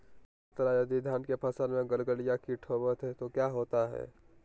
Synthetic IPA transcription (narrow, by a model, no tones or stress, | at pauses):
ɪt̪əɾajəd̪id̪ʱjaːnkepʰəsəlmẽɡəlɡəlijakiʈʰoːbət̪ɦɛt̪okjaːɦoːt̪aɦɛ̰ː